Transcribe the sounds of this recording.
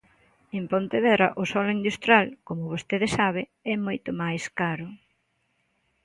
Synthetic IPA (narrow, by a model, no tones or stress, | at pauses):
empont̪eðɛɾɐʔʊsɔlʊind̪ust̪ɾjalkomʊβost̪eðesaβ̞ɪɛmojt̪ʊmajskaɾʊ